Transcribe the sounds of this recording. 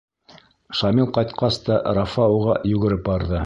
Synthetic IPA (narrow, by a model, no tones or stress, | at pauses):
ʃɑmilˠqɑjt̪qɑst̪ɑɾafɑuʁɑjʉɡɘ̆ɾɘpbɑɾðɤ